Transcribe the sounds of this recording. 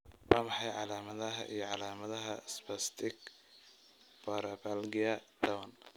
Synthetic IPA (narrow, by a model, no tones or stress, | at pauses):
waːmɑħɑjʕɑlaːmɐðɐɦɐ̰ʔḭjɞʕɑlaːmɐðɐɦɐsbɐst̪ʰɪɡ | pɐɾɐbalɡɪjɐd̪ɐwɐn